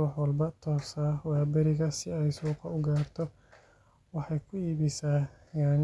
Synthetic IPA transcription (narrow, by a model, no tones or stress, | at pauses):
ɑħwɐlbɐt̪ʰɔːsawaːbɛɾɪɣɐsɪɛjsuːqɑʊɡaːrt̪ʰɔ | wɑħɑjkʰʊiːβɪsaː | jaːn